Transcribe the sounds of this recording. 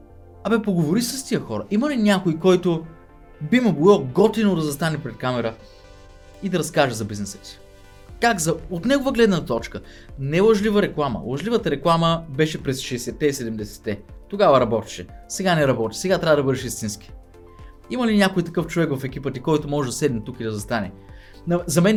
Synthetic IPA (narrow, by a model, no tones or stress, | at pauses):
ɐbɛpoɡovʊɾisəst̪ijəxɔɾɐʔiməlinʲjakojkɔjt̪o | bimoboloɡɔt̪inod̪ɐzɐst̪anɛpɾɛt̪̚kamɛɾə | id̪ɐɾɐskaʒɛzɐbiznɛsə̥t̪i̥ | kakzɐot̪nɛɡovəɡlɛd̪nət̪ɔt͡ʃkə | nɛlˠɐʒlivəɾɛklˠamə̰lˠɐʒlivət̪əɾɛklˠaməbɛʃɛpɾɛsʃɛsɛt̪ːɛisɛd̪ɛmd̪ɛsɛ̥t̪ːɛt̪oɡavəɾɐbɔt̪i̥ʃɛsɛɡanɛɾɐbɔt̪i̥sɛɡat̪ɾʲavəd̪ɐbɤd̪ɛʃist̪inski̥ | iməlinʲjakojt̪ɐkɤft͡ʃovɛkvɐfɛk̟ipət̪ikɔjt̪ʊmɔʒɛd̪ɐsɛd̪nʲɛt̪ukid̪ɐzɐst̪anɛ̰ | nɐzɐmɛn